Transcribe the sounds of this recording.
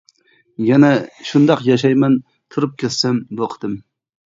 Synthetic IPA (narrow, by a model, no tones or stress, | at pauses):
jɛnɛʃund̪ɑqjɑʃ̬ɑjmɛn | t̪ʰuɾɨp̚kʲʰet̪sɛmboqʰd̪̥ɨm